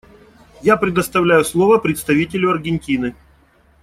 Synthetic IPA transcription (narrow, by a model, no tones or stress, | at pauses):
japɾʲɪd̪əst̪ɐvlʲæjʊslˠovəpɾʲɪt̪st̪ɐvʲitʲɪlʲʊɐrɡʲɪnʲtʲinɨ